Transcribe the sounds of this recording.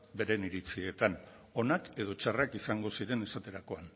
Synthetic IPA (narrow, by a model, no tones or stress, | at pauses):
be̞ɾe̞niɾit͡sie̞t̪an | o̞nake̞ð̞o̞t͡ʃarakisaŋɡo̞siɾe̞ne̞sat̪e̞ɾako̞an